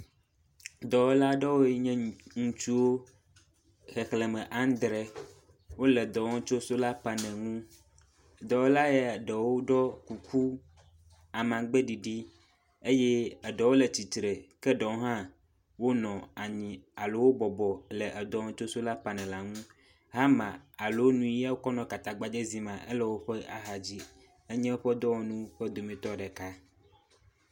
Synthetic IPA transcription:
d̪ɔ˨wo˦la˦ɖɔ˦wo˦ɲɛ̃˦ŋũ˦t͡ʃu˦wo˦ | xɛ˨xlɛ˨mɛ̃˨ʔa˦n˦d̪ɾɛ˨ | wo˦lɛ˨d̪ɔ˨wɔ̃˦t͡ʃo˦so˦la˦pa˨nɛ̃˨ŋũ˦˨ | d̪ɔ˨wo˦la˦jɛ˦˨ɖɛ˨wo˦ɖɔ˦ku˨ku˦ | a˨mã˨ɡ͡be˦ɖi˨ɖi˦ | e˦je˦ɛ˨ɖɛ˨wo˦lɛ˨t͡ɕi˨t̪ɾe˨kɛ˦ɖɔ˨wo˦ɦã˦ | wo˦nɔ̃˨a˨ɲĩ˨a˨lo˨wo˦bɔ˨bɔ˨lɛ˨ʔɛ˨d̪ɔ˨˦ŋɔ̃˨t͡ʃo˦so˦la˦pa˨nɛ̃˨la˨ŋũ˦ | ɦa˦mã˨a˨lo˨wo˦nũ˦i˦ja˦wo˦kɔ˦nɔ̃˨ka˨t̪a˨ɡ͡ba˨d͡ʒe˦zi˦mã˨ʔḛ˦lɛ˦wo˦ɸɛ˦a̰˦ɦa˨d͡ʑi˦ | e˦ɲɛ̃˦wo˦ɸɛ˦d̪ɔ˦wo˨nũ˦ɸɛ˦d̪o˨mĩ˨t̪ɔ˦ɖɛ˨ka˦

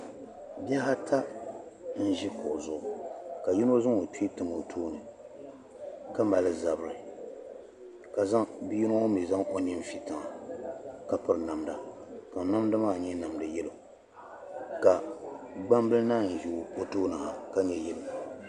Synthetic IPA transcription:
bja˦ɦa˦tʰa˦ | n̩˦ʒi˦kʊ˨zʊ˦ʔʊ˨ka˨ji˦no˦zɨ˦ŋo˨ti˦tɨ˨mo˨tʰoː˦nɨ˨ | ka˦ma˨lɨ˦za˨bɨ˦ɾɨ˨ | ka˨za˦ŋbi˦ji˦no˦ŋo˦mi˨za˦ŋo˦ɲi˦m˨fi˨tɨ˨ŋa˨ | ka˨pɨ˦ɾna˨mda˨ka˨˦na˦mdɨ˦maː˦˨ɲɛ˦na˨mdɨ˨jɛ˦lo˨ | ka˨ɡ͡ba˦mbɨ˦lna˦˨n̩˨ju˨o˦toː˦nɨ˨ha˨ka˦ɲɛ˨jɛ˦lo˨

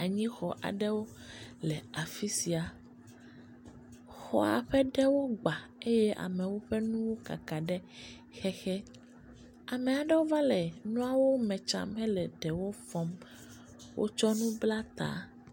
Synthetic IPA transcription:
a˨ɲĩ˦xɔ˨ʔa̰˨ɖɛ˦wo˦lɛ˨a˨fi˦si˨a˨ | xɔ̰˨a̰˨ɸɛ˦ɖɛ˦wo˦ɡ͡ba˨e˦jɛ˦ʔa̰˨mɛ̃˨wo˦ɸɛ˦nũ˦wo˦ka̰˨ka˨ɖɛ˦ | xɛ˦xɛ˦ | a˨mɛ˨a˨ɖɛ˦wo˦va˦lɛ˨nũ˦a˦wo˦mɛ̃˨t͡ʃa̰˦˨mɦɛ˦lɛ˨ɖɛ˨wo˦fɔ˨˦m | wʔo̰˦t͡ʃɔ˦nũ˦bla˦t̪a̰˨

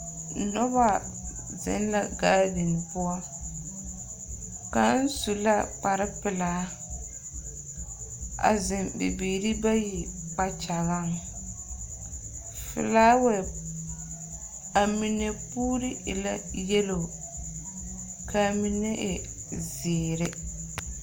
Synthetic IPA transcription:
nɔ˦βa˦ | zɪ̰˦nla˨ɡaː˦dɪ˨n˨pʊ˦a˦ | ka˨˦n̩˦su˨la˦k͡pa˨ɾɪ˦pɪ˨laː˨˦ | a̰˨zɪ˨mbɪ̰˨biː˨ɾi˦ba˦ji˨k͡pa˨t͡ʃa˨ɣa˦ŋ | fɪ̰˨laː˦wɛ˨ | a˨mi˨ne˨puː˦ɾi˦ʔɪ˨la˦jɛ˦lo˨ | kʰa˨mi˨ne˦ʔɪ̰˨ | zɪ˨ɾɪ˦

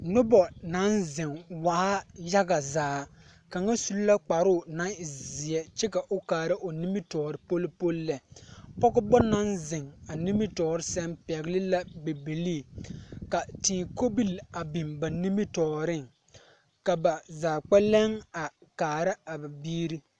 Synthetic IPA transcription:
nʊ˦bɔ˨na˨˦nzɪ˨ŋwa˨ʔa˦ja˦ɡa˨zaː˨˦ | ka˨ŋa˦su˨lu˦la˦k͡pa˨ɾʊ˦˨na˦ŋɪ˨zɪ˨ɛ˦t͡ʃɛ˦ka˨ʔʊ˦kaː˨ɾɪ˦ʔo˨ni˦mɪ˦tɔː˨ɾɪ˨po˦lpo˦llːɛ˨pɔ˦ɡʊ˦bɔ˦na˦nzɪ˨ŋa˨ni˦mɪ˦tɔː˨ɾɪ˦sɛ˦mpɛ˨ɣlɪ˦la˦be˨bi˨li˦˨ka˨tiː˨ko˦bi˦˨la˨bi˨mba˨ni˦mi˦tɔː˨ɾɪ˦˨ŋ | ka˨ba˨zaː˨k͡pɛ˦lɛ˦ŋa˨kaː˨ɾa˦a˨ba˨biː˦ɾi˦

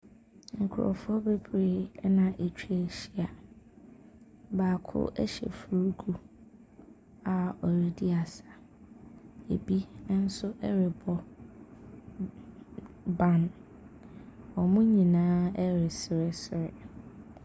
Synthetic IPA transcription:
ŋ̩˨kʰʊ˨ɾɔ̰˨fʊ˦ɔ˦be˦bɾeː˦nã˨ʔe˨t͡ɕᶣʰe˨ɕi˦a˨ | baː˨kʰʊ̰˦ʔɛ̰˦ɕɛ̰˨fu˨ɾu˦kʰu˦ | a˨ɔ˨ɾi˦di˦a˨sa˨ | e˨bi˦nã˦n̩˦sʊ˦ʔɛ˦ɾɪ˨bɔ˨ | bã˦n | ɔ˨mʊ̃˦ɲĩ˨nãː˦ɛ˦ɾɪ˨sɪ˨ɾɪ˦sɪ˨ɾɪ̰˨

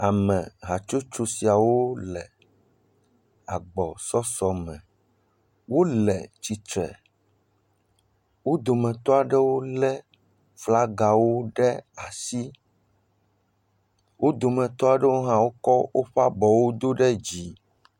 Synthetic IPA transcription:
a˨mɛ̃˨ɣa˨t͡ʃu˦t͡ʃu˦si˨a˨wo˦lɛ˨ | a˨ɡ͡bɔ˨sɔ˦sɔ˨mɛ̃˨ | wo˦lɛ̰˨t͡ɕi˨t̪ɾɛ̰˨ | wo˦d̪o˨mɛ̃˨t̪ɔ˦a˨ɖɛ˦wo˦lɛ˦ | fla˦ɡa˨wo˦ɖɛ˦a˨si˦ | wo˦d̪o˨mɛ̃˨t̪ɔ˦a˨ɖɛ˦wo˦ɦã˦wo˦kɔ˦wʔo˦ɸa˦bɔ˨wo˦d̪o˦ɖɛ˦d͡ʑi˨

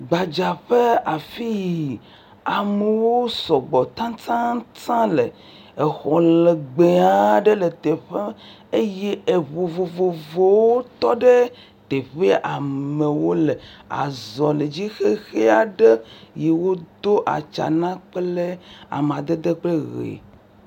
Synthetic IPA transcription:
ɡ͡ba˨d͡ʒa˨ɸe˦a˨fi˦ji˨ | a˨me˨wo˦sɔ˨ɡ͡bɔ˨t̪ã˦t̪ã˦tã˦lḛ˨ | e˨xɔ˨le˨ɡ͡be˨a˨ɖe˦le˨t̪e˨ɸe˦ | e˦je˦e˨βo˨vo˨vo˨vo˨wo˦t̪ɔ˦ɖe˦ | t̪e˨ɸe˦ʔa˨me˨wo˦le˨a̰˨zɔ˨le˨d͡ʑi˦xe˦xe˦a˨ɖe˦je˨wo˦d̪o˦ʔa̰˨t͡ʃa̰˨nã˦k͡ple˦a̰˨me˨a˨d̪e˦d̪e˦k͡ple˦ɣḛ˨

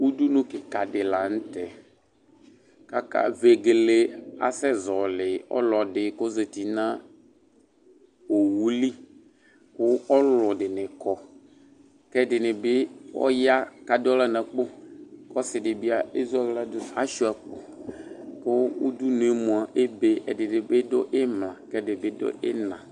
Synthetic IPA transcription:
wu˦d̪u˦nũ˦ke˨ka˨ɖɪ˨la˨ŋ̩̃˦t̪ɛ˨ | ka˦ka̰˦ve˨ɡe˨le˦a̰˨sɛ˦zɔ˨lɪ˨ɔ̰˦lɔ˨ɖɪ˨ko˦ze˨t̪i˨nã˦ | wo˨wu˦li˦ | kʊ˦ɔ˦lɔ˨ɖɪ˨nɪ̃˨kɔ˦ | kɛ˦dɪ˨nɪ̃˨be˦wɔ̰˦ja˦ka˨dɔ˦la˦nã˨k͡po˦kɔ˦sɪ˨ɖɪ˨bi˦a˨e˦zu˦a˦ɡla˦d̪ʊ˦˨a˦ʃu˦a˨k͡po˨ | ko˦wo˦d̪u˦nũ˨˦e˦mõ˨a˨ʔe˦be˦ʔe˨dɪ˨ɖɪ˨be˦do˦ʔe˦mlã˨kɛ˦dɪ˨be˦do̰˦ʔḛ˦nã˨

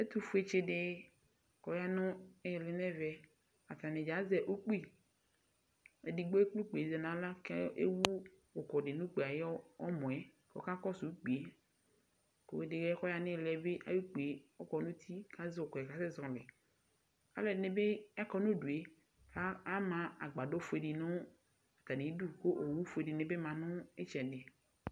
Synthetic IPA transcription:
e˦t̪u˦fu˦e˦t͡ʃe˦ɖe˦ | kɔ˨ja˦nɔ̃˦e˦˨le˨nɛ̃˦vɛ˨ | a˨t̪ã˨nẽ˨d͡ʒa˨˦zɛ˨ʔu˦k͡pi˦ | e˨di˨ɡ͡bo˦e˦k͡plu˦k͡pe˨e˨ze˨nã˨˦la˦ke˦ḛ˦wu˦ | wo˨kɔ˨ɖe˨nũ˦k͡pe˨a˨je˦ɔ˦ɔ˦mɔ̃˨ɛ˦ko̰˦ka˦kɔ˦su˨˦k͡pi˨e˨˦ | ko˨we˦de˨ɡe˦kɔ˦ja˨nẽ˦˨lɛ˦be˦ʔa̰˦ju˦k͡pe˨e˨ɔ˦kɔ˦nũ˦t̪ʰi˦kã˦ze˦wo˨kɔ˨ɛ˨ka˦se˦zɔ̃˨le˨ | a̰˦lɛ˨nẽ˨be˦a˦kɔ˦nũ˦ɖu˨e˦ | ka˦a˦mã˨a˨ɡ͡ba˨do˦fo˨e˨ɖi˨nõ˦ | a˨ka˨nẽ˨˦du˦ko˦ʔo˨wu˦fo˨e˨ɖi˨nẽ˨be˦mã˨nʊ̃˦e˦t͡ʃɛ˨ɖe˨

